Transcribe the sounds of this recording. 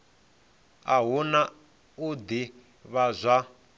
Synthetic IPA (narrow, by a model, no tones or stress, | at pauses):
aɦuna | ud̪i | βazʷa